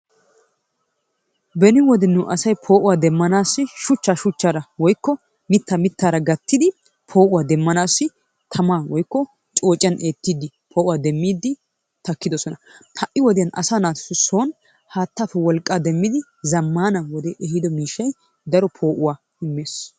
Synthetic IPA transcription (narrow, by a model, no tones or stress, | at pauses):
bɛnɪwɔd̪ɛnːuʔɐsɐjpʰo̞ːʔʊwaːd̪ɛmːɐnaːsːɪʃʊt͡ʃːaːʃʊt͡ʃːaːɾɐwɔjkːɔ | mɪt̪ːɐmɪt̪ːaːɾɐɡɐt̪ːɪd̪ɪ | pʰo̞ːʔʊwaːd̪ɛmːɐnaːsːɪ | t̪ʰɐmaːwɔjkːɔ | t͡ʃʼo̞ːt͡ʃʼɪjɐnʔeːt̪ːiːd̪ːɪ | pʰo̞ːʔʊwaːd̪ɛmːiːd̪ːɪ | t̪ɐkːɪd̪ɔsɔnɐt̪ʰɐʔːɪwɔd̪ɪjɐnɐ̰saːnaːt̪sʊso̞ːn | haːt̪ːaːfɛwɔlkʼːaːd̪ɛmːɪd̪ɪ | zɐmːaːnɐwɔd̪ɛʔɛhɪd̪ɔmiːʃːɐj | d̪ɐɾɔpʰo̞ːʔʊwaː | ɪmːe̞ːs